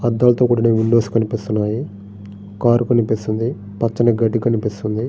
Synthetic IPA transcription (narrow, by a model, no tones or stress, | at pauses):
ɐd̪ːaːlɐt̪o̞ːkuːɽɐneːuɳɖoːsi̥kɐnipist̪unːaːji | kaːɾukɐnipist̪und̪i | pɐt͡ʃːɐnɐɡɐɖikɐnipist̪und̪i